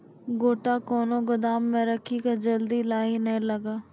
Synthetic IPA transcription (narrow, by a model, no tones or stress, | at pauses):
ɡoːʈaːkoːnõːɡʊd̪aːmːɛ̃ːɾəkʰiːked͡ʒəld̪iːlaːiːnəĩːləɡaː